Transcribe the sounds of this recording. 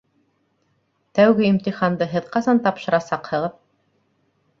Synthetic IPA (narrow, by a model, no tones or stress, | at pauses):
t̪æwɡɘimt̪iχɑnd̪ɤɦɘðqɑzɑnt̪ɑpʃɤ̆ɾɑsɑqhɤ̆ʁɤð